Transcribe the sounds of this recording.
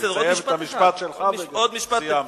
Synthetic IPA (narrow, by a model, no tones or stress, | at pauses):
edojevet̪amiʃpat̪ʃelavod̪miʃpaa